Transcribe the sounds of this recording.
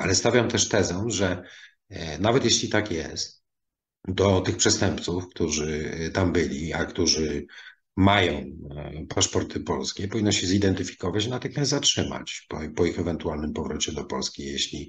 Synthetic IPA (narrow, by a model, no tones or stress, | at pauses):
alɛst̪avʲjamt̪ɛʂt̪ɛzɔ̃ʐɛ | navɛt̪jeɕlʲit̪akjɛ̰st̪ | d̪ɔt̪ɘxpʂɛst̪ɛmpt̪sufkt̪uʐɘt̪ambɘlʲiakt̪uʐɘ | majɔ̃w̃paʂpɔɾt̪ʰɘpɔlskʲɛpɔvʲinːɔ̃w̃ɕɛzid̪ɛnt̪ɘfʲi̥kɔvat͡ɕnat̪ɘxmʲast̪zatʂɘma̰t͡ɕpɔpɔixɛvɛnt̪ualnɘmpɔvɾɔt͡ɕɛd̪ɔpɔlskʲijeɕlʲi